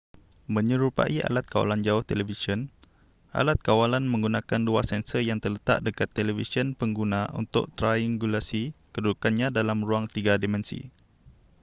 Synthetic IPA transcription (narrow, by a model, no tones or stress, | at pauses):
mə̃ɲə̃ɾupa̰ʔiʔa̰lat̪̚kawa̰land͡ʒaʊht̪ɛlɛvisiən | ʔa̰lat̪̚kawalanmə̃ŋɡunãkanduasɛnsəjaŋt̪ərlət̪a̰ʔdəkat̪ːelevisiənpəŋɡunãʔṵnt̪ʊ̰ʔ̚t̪ɾajaŋɡulasikəduukanɲãdalamɾuaŋt̪iɡadimɛ̃nsḭ